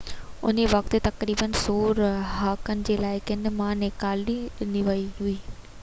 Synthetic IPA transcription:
ʊ̰neʋɐkt̪et̪ɐkɾiːbənsoːɾɦaːkənɪ̆d͡ʑeːlaːɪkɪ̃nmãːnekaːlɗiɪnd̪iʋɐiɦuiː

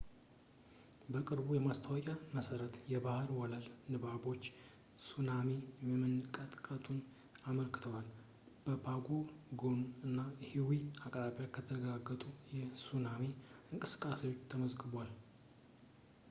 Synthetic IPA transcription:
bəkʼɨɾbujɛmast̪ʰəwɔkʼaməsəɾət̪jɛbahɾwɔləlnɨbabo̞t͡ʃː | sunameməmɨnkʼət̪ʼkʼət̪ʼun | aməlkɨ̥t̪ʰəwal | b̥əbʰaɡoɡonɨnːahiwiakʼɾaβjakʰət̪ʰəɾəɡaɡːət̪ʼujɛsunameɨŋkʼɨsɨ̥kʼːasewo̞t͡ʃːt̪ʰəməzɡɨbal

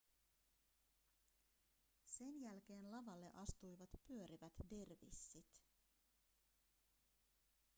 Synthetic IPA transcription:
se̞njælk̟e̞ːnlɑʋɑlːe̞̰ʔɑst̪ujʋɑt̪pyø̞ɾiʋæt̪derʋḭsːit̪

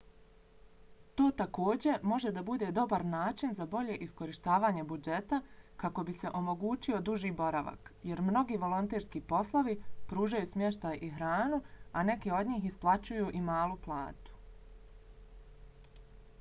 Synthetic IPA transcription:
t̪o̞ːt̪ako̞ːd͡ʑe̞mo̞ʒe̞d̪abud̪e̞d̪o̞baɾnaːt͡ʃinzabo̞ʎe̞ʔisko̞ɾiʃt̪aːʋaːɲe̞bud͡ʒe̞t̪akako̞bise̞ʔo̞mo̞ɡuːt͡ɕio̞d̪uʒiːbo̞ɾaʋa̰kje̞ɾmno̞ɡiːʋo̞lˠo̞nt̪eːɾskipo̞slˠoʋipɾuːʒajuːsmje̞ʃt̪ajʔiɦɾaːnuane̞keo̞d̪ɲiːɦisplˠat͡ɕujuːʔimaːlˠuplˠa̰ːt̪u̥

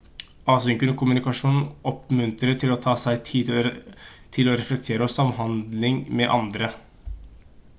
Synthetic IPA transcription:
ɑːsʏŋkənəkʰʊmʉnɪkɑʂuːnn̩ɔpmʉnt̪ɾəʈʰɪloːt̪ʰɑːsæɪt̪ʰiː | t̪ʰɪloːɾɛflɛk̚t̪ʰeːɾəɔsɑmɦɑnd̪lɪŋmɛʔɑ̰nd̪ɾə

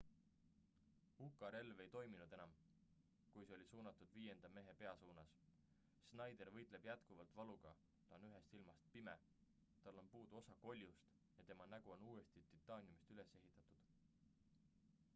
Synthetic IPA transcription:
ukːˑɑɾe̞lve̞jt̪o̞jminud̪̥e̞nɑm | kujseo̞lisuːnɑt̪ːˑud̪̥viːje̞nd̪ɑme̞ɦe̞pe̞ɑsuːnɑs | snɑjd̪e̞rvɤ̞jt̪ˑle̞b̥jæt̪kuvɑlt̪vɑluɡ̥ɑ | t̪ˑɑonyɦe̞st̪ilmɑst̪̚pime̞ | t̪ɑlːo̞npuːd̪̥uo̞sɑko̞lʲjust̪ | jɑt̪e̞mɑnæɡ̥uo̞nuːe̞st̪it̪it̪ːˑɑːnʲiumist̪yle̞se̞ɦit̪ːˑɑt̪ud̪̥

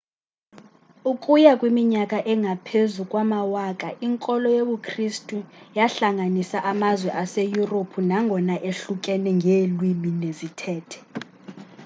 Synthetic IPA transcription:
ukʼujakʼwimiɲakʼaʔɛŋʱapʰezukʼwamawaːkʼaʔiŋkʼɔlɔjeɓukʰristʼujaɬaŋanisaʔamazwɛʔasejuropʰunaŋɡʱɔnaʔeɬukʼɛnɛŋɡʱelwiminezitʰɛːtʰɛ̥

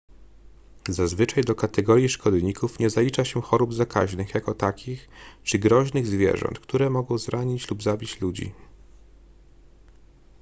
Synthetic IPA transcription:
zazvɘt͡ʂajd̪ɔkat̪ɛɡɔɾʲjiʂkɔd̪ɲikufɲɛzalʲit͡ʂaɕɛxɔɾubzaka̰ʑnɘxjakɔt̪akʲixt͡ʂɘɡɾɔʑnɘɣzvʲjɛ̰ʐɔ̰nt̪kt̪uɾɛmɔɡɔ̃w̃zɾʔaɲit͡ɕlubzabʲit͡ɕlud͡ʑḭ

